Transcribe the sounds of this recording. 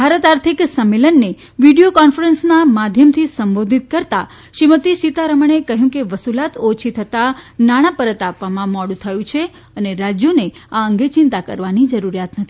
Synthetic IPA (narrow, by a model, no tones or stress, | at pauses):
bʱaɾət̪aɾt̪ʰiksəmːelənːe | ʋiɖijokɔnfəɾənsnamad̪ʱjəmt̪ʰisəmbod̪ʱit̪̚kəɾt̪a | ʃimət̪iʃit̪aɾəməɳ̃ekəɦjũkeʋəsulat̪ot͡ʃʰit̪ʰət̪anaɽ̃apəɾət̪apʋamãmɔɽũt̪ʰəjũt͡ʃʰe | əneɾad͡ʒjoneaəŋɡet͡ʃɪ̃nt̪akə̰ɾʋanid͡ʒəɾuɾijat̪nət̪ʰii